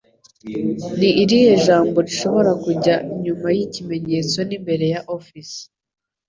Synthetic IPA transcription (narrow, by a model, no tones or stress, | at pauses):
niːɾijoʒaːmbo̞ɾiʃo̞βo̞ɾakuɟaiɲumajicime̞ɲe̞ːt͡so̞nimbe̞ɾe̞jaʔofisi̥